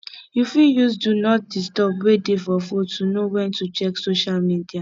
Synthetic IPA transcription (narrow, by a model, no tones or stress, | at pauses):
jufijus̬dunɔt̚distɔpwedefɔfotːunowɛ̃ntut͡ʃɛksoʃalmidia